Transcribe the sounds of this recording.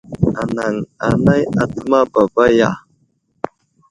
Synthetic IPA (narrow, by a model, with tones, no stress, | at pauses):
a˨na˨ŋa˨na˦ja˨tə˦ma˦ba˨ba˦ja̰˨